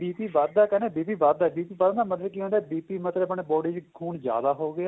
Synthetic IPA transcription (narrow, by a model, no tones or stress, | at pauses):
biːpiːʋaːd̪d̪aːkɛːneːbiːpiːʋaːd̪̚d̪aːbiːpiːʋad̪naːməd̪əlkiɦõːnd̪aːbiːpiːmət̪ləpəɽebɔːɖiːt͡ʃkʰuːnzja̰ːd̪aːɦoːɡɪaː